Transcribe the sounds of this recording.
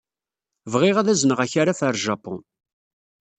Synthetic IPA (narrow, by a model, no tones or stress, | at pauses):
vʁɪʁæðæzənəʁæçaɾafəɾˤʒɑpɔ̰̃